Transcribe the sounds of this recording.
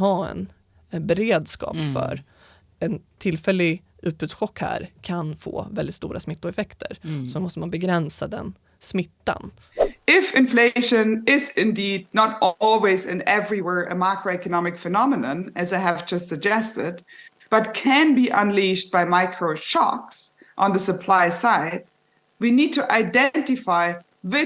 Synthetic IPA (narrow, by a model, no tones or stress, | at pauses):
ɦaːɛ̰n | bɛɾeːd̪skɑ̰ːpfœ̰ɾ | ɛnt̪ʰɪlːfɛlːɪɡ | ʔʉ̟ːt̪̚bʉːt̪sɧɔkːhæ̰ɾkʰanfo̰ːvɛld̪ɪt̪st̪ṵːɾʔa̰smɪt̪ːʊɾɛfɛkt̪ʰəɾsɔmɔst̪əmanbɛɡɾɛnsad̪ɛ̰n | smɪt̪ːa̰n | ɪfɪ̃nfleɪʃɨ̃nɪzɪ̃ndiːd̚ⁿnəɾɔlˠwizɨ̰̃nɛvɹiwɛɹʔɨ̰makʰɹoʊɛkənɑmɨkfɨnɑmənə̃nɨzaɪɨvd͡ʒʌstsɨɡ̚d͡ʒɛstɪd̚ | b̥ʌt̚kʰɨ̃nbiʔə̃nliʃt̚b̥aɪmaɪkʰɹoʊʃɑ̰ks | ʔə̃nðəsəpʰl̥aɪsaɪd̚ | winiːd̚tʰɨʔaɪdɛ̃ntɨfaɪ | ðɪ